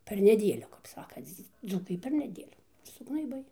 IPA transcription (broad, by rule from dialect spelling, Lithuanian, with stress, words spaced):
ˈpʲɛr nʲɛˈdʲeːlʲʊ kɐp ˈsɑːkɐnt͡s ˈd͡zuːkɐɪ pʲɛr nʲɛˈdʲeːlʲuː sʊɡnɐɪˈbɐɪ